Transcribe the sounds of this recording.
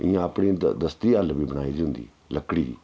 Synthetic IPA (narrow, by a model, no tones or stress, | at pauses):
ɪjãːəpɽiːd̪əst̪iːalʋiːbəɽ̃aːiːd͡ʒɦʊ̃nd̪ḭː | ləkɽiːdḭː